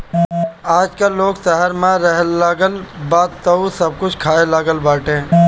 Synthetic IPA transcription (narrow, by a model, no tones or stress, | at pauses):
aːd͡ʒkalːoːɡsəɦəɾmãɾəɦlːaːɡəlbaːt̪t̪ːəusɐb̚kʊt͡ʃʰkʰaːelaːɡəlbaːʈẽː